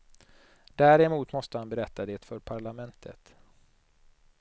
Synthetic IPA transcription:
d̪̥æɾɛmuːt̪mɔst̪əhanbɛɾɛt̪ːad̪eːt̪fœɾpʰaɭamɛnt̪ʰə̰t̪

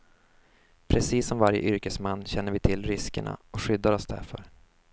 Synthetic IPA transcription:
pʰɾɛsiːsːɔmvaɾjə̰ʔʏɾkəsmanːɕɛnːəɾvɪt̪ʰɪlːɾɪskəɳa̰ɔkɧʏd̪ːaɾɔsd̪æ̰ɾfœɾ

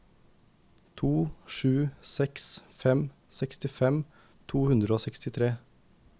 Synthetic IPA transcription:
t̪ʰuːʃʉːsɛksfɛm | sɛkst̪ɪfɛm | t̪ʰuːhʉnd̪ɾəoːsɛkst̪ɪt̪ʰɾeː

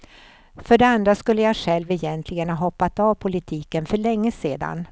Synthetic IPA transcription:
fœɖɛand̪ɾaskɵlːəjaɧɛlvɛjɛnt̪ʰlɪɡənhaɦɔpːat̪avpʰʊlɪt̪ʰiːkənfœɭɛŋːəseːd̪a̰n

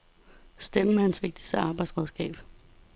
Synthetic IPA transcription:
sd̥eməmehænsʋe̝ɡ̥̚d̥i̥sd̥əɑ̈ːb̥ɑ̈ɪd̥sʁɛð̞ˠsɡ̥ɛ̰ːb̥

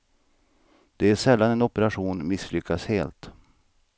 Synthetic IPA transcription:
d̪̥ɛæʂɛlːanɛnɔpəɾaɧuːnmɪslʏkʰːasheːlt̪

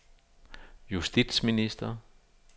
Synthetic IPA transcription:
jusd̥id̥sminisd̥ɐ

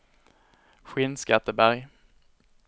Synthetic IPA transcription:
ɧɪnskat̪ːəbæɾj

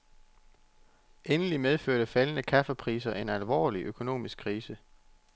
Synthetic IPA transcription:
ʔenəlimeð̞ˠføɐ̰ɾ̥əfælənəkʰæfəpʰʁiːs̬ɐʔe̝nælʋɒ̰ːliʔøkʰo̝no̝̰ːmisɡ̥kʰːʁiːsə

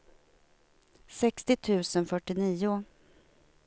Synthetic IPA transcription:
sɛkst̪ɪt̪ʰʉ̟ːsənfœʈːɪniːʊ

